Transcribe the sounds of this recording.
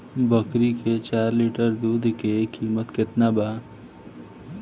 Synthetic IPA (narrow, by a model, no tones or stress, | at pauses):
bəkɾiket͡ʃaːɾliʈəɾd̪uːd̪ʱkekʰːiːmət̪kɪt̪nabaː